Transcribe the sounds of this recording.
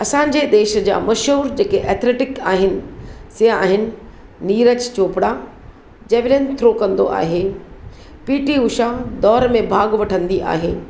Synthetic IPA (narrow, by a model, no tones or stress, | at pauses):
ɐsãːɲ̆d͡ʑed̪eːʃə̆d͡ʑa̰ːmɐʃɦuːɾd͡ʑeːkeʔɛːt̪ʰleːʈɪkaːɦɪnɪ̆siɦaːɦɪnɪ̆ | niːɾət͡ɕt͡ɕoːpɽa | d͡ʑeːʋɪlənt̪ʰɾokɐ̃nd̪oʔa̰ːɦe | piːʈiʊʃad̪ɔːɾmẽbʱaːɡʋɐʈʰə̃nd̪iʔa̰ːɦeː